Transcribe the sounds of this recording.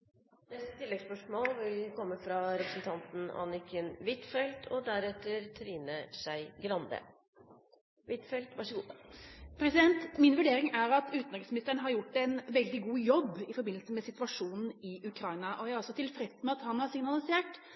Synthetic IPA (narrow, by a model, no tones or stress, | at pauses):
d̪ɛsə̥t̪ʰɪlːɛɡspœʂmoːlʋɪlkʰɔmːəfɾɑɾɛpɾəsn̩t̪ʰɑnt̪n̩ɑ̰nɪkʰənʋɪt̪fɛlt̪ʰɔd̪æɾɛt̪ːəɾt̪ʰɾiːnəʂæɪɡɾɑnd̪ə̰ | ʋɪt̪fɛlt̪ʋɑʂəɡuːpʰɾɛsɪd̪ɛnt̪mɪnʋʉɖeːɾɪŋæɾɑt̪ʉːt̪nɑksmnɪst̪əɳəɦɑɾjʊʈːɛnʋɛld̪ɪɡuːjɔbːɪfɔɾbɪnlsəmɛsɪt̪ʋɑʂuːnn̩ɪʉkʰɾɑɪnɑʔɔjæɪhɑɾɔsːɔt̪ʰɪlfɾɛsmɛɑt̪hɑnhɑɾsɪŋnɑlɪseːʈ